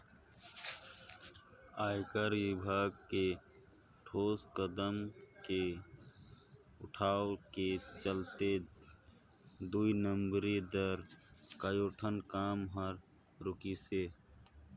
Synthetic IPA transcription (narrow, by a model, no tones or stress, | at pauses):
aːɪkəɾʋɪbʱaːɡke | ʈʰoːskəd̪əmke | ʊʈʰaːoket͡ʃəlt̪e | d̪uinəmbɾid̪əɾkəjoːʈʰənkaːmɦəɾ | ɾʊkise